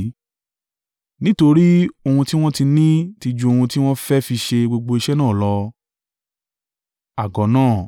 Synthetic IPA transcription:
nĩ˦to˧ɾi˦o˧hũ˧ti˦w̃ɔ̃˦ti˧nĩ˦ti˧d͡ʒũ˧o˧hũ˧ti˦w̃ɔ̃˦fɛ˦fi˧ʃe˧ɡ͡bo˧ɡ͡bo˧i˧ʃɛ˦nãː˦˨lɔ˧˦ | a˨ɡɔ˨˦nãː˦˨

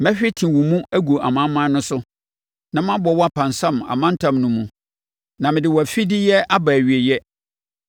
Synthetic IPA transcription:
mɛ̃˦ɕᶣɪ˦tʰĩ˨wũ˨mũ˦æ˦ɡu˨ʔa̰˨mã˦mã˦nʊ̃˦sʊ˦ | nã˨m˦ã˦bɔ˨˦wɔ˦a˦pʰã˨n˨sã˦ma̰˨mã˦n̩˦tʰã˨mnʊ̃˦mũ˨ | nã˨mɪ̃˨dɪ˨wɔ˨æ˨fi˦dɪ˦jɛ˦a˦ba˨æ˨ɥi˨e˨jɛ˦

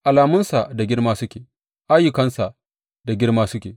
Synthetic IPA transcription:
ʔa˨laː˨mʊ˦nsa˨da˨ɡʲɪ˦ɽmaː˦sʊ˦kʲeː˨ | ʔa˦jʊ˨kɐ˦nsa˨ʔ | da˨ɡʲɪ˦ɽmaː˦sʊ˦kʲeː˨

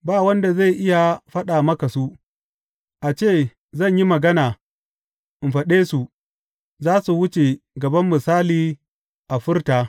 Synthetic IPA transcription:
baː˦˨wɐ˦nda˨za˦˨jʔɪ˦ja˨ɸɐ˦ɗa˨mɐ˦ka˨su˦ | ʔa˨t͡ʃeː˦˨ | zɐ˦˨ɲji˦mɐ˨ɡɐ˦naː˨ | ʔɪ˨m˨ɸɐ˨ɗeː˦su˨ | zaː˦su˨wʊ˦t͡ʃe˨ɡɐ˨bɐ˦mːɪ˨saː˦liː˨ | ʔa˨ɸɪ˦rtaː˨

